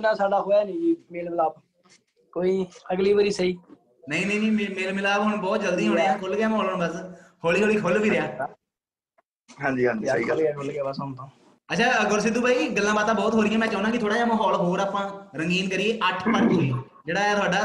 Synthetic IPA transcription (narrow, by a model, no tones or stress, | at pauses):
nãːsaːɖaːɦoːjaːnĩːd͡ʒiːmeːlmlaːb | koːiːəɡliːbəɾiːsəiː | nəĩːnə̃iːĩːmeːlmɪlaːbɦʊɳbɔːt̪̚d͡ʒəld̪ĩːɦoːɽãːkʰʊlɡɪjaːmɦɔːloɳbəshoːliːɦoːɽiːkʰʊlʋiːɾɪjaː | ɦãːɲd͡ʒiːãːd͡ʒikːlɡaːkʰʊlɡaːbəsənt̪õː | ət͡ʃʰaːɡʊɾs̬ɪd̪ːuːbʱaːiːɡəlːãːbaːt̪ːãːbɔːt̪ɦoːɾɪjãːmɛ̃ːt͡ʃɔ̃ːnd̪aːkɪt̪ʰoːɽaːd͡ʒaːməɦɔːlɦoːɾaːpãːɾəŋɡiːnkəɾijeːʔəʈʰpəɳʈːeː | d͡ʒeːɽaːɛːt̪ʰʊaːɖaː